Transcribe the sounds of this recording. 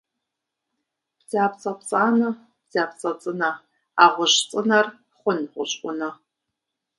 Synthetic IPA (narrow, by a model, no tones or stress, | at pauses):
b̥zaːpt͡sʼɐpʰt͡sʼaːnɐ | b̥zaːpt͡sʼɐt͡sʼɨnɐ | aːʁʷʊɕt͡sʼɨnɐr | χʷʊnʁʷʊ̰ɕʼʔʷʊnɐ